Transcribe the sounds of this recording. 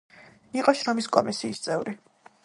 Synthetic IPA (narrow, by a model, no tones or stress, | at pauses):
iqʼɔʃɾɔmiskʼɔmisiːst̪sʼɛvɾi